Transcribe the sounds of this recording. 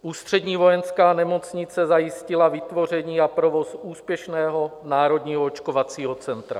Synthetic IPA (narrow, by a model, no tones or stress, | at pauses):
ʔuːst̪r̝̥ɛdɲiːvo̞jɛnskaːnɛmot͡sɲɪt͡sɛzajɪscɪlavɪt̪vo̞r̝ɛɲiːapɾovo̞suːspjɛʃnɛːɦo̞naːɾod̪ɲiːɦoot͡ʃkovat͡siːɦot͡sɛnt̪ɾa̰